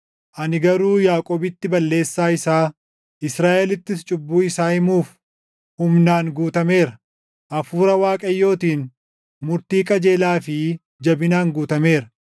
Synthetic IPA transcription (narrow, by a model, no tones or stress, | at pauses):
ʔɐnɪɡɐɾuːjaːkʼoːbɪt̪ːɪbɐlːe̞ːsːaːɪsaː | ʔɪsɾaːʔɛlɪt̪ːɪst͡ʃʼʊbːuːɪsaːhɪmuːf | hʊmnaːŋɡuːt̪ɐme̞ːɾɐ | ʔɐfuːɾɐwaːkʼɐjːo̞ːt̪iːn | mʊɾt̪iːkʼɐd͡ʒe̞ːlaːfɪ | d͡ʒɐbɪnaːŋɡuːt̪ɐme̞ːɾɐ